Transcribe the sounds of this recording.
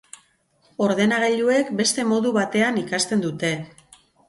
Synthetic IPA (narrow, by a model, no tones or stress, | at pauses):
o̞ɾðe̞naɣ̞eʎue̞kbe̞st̪e̞mo̞ðuβat̪e̞anikast̪e̞nd̪ut̪e̞